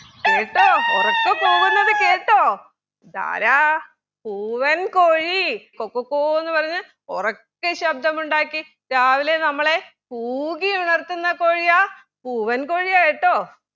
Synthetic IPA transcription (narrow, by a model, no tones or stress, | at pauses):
keːʈːoːorɐkːepo̞ːɣunːɐðɨke̞ːʈːoː | d̪a̰ːɾa | puːʋɐnkoːɻikokːokːoːɣenːupɐrɐɲːɨ | orɐkːeɕɐb̚d̪ʱɐmuɳɖaːkːi | daːʋilenɐmːɐɭe̞ | puːɣiuɳɐrt̪ːunːɐko̞ːɻijaː | puːʋɐnko̞ːɻiaːjiʈːo̞ː